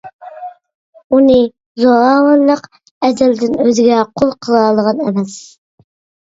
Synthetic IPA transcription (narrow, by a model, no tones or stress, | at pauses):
unɨ | zoɑːwɑnlˠəq | ɛd̪ɪld̪ɪnøzɪɡʲɛqʰolˠqʰəlˠɑːlˠəʁɑnɛmɛs